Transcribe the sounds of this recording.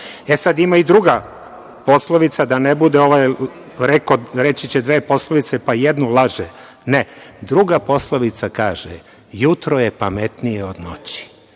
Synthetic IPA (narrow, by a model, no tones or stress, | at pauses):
esad̪imaid̪ɾuɡa | po̞slˠoʋit̪sad̪anebud̪eo̞ʋaj | ɾekoɾe̞t͡ɕit͡ɕed̪ʋe̞ːpo̞sloʋit̪se̞pajed̪nulˠaʒe | ned̪ɾuɡapo̞slˠoʋit̪sakaːʒ̥ḛ | jut̪ɾoje̞pamet̪nijeo̞d̪no̞̰t͡ɕi̥